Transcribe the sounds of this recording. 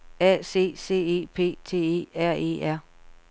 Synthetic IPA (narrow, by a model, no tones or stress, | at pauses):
ɛ̰se̝̰ːse̝̰ːe̝̰ːpʰe̝̰ːt͡sʰe̝̰ːe̝̰ːæɐ̰e̝̰æɐ̰